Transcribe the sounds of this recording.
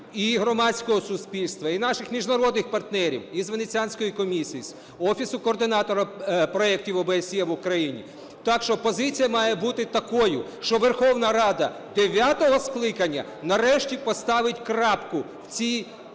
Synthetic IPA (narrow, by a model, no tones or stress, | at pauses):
iɦɾɔmɑt͡sʲkɔɦɔsʊspʲilʲst̪ʋɐinɑʃɪxmʲiʒnɐɾɔd̪nɪxpɐrt̪nɛɾʲḭwizʋenet͡sʲianʲsʲkɔjikɔmʲisʲijisʲ | ɔfʲisʊkɔːrd̪ɪnɑt̪ɔɾɐpɾɔɛk̚tʲiwɔbeesʲjɛʋʊkɾɐjinʲḭ | t̪ɑkʃt͡ʃɔpɔzɪt͡sʲijɐmɑjɛbut̪ɪt̪ɐkɔjʊ | ʃt͡ʃɔʋerxɔwnɐɾɑd̪ɐ | d̪eʋʲat̪ɔɦɔsklˠɪkɐnʲːɐ̰ | nɐɾɛʃtʲipɔst̪ɑʋɪtʲkɾɑpkʊ | wt͡sʲi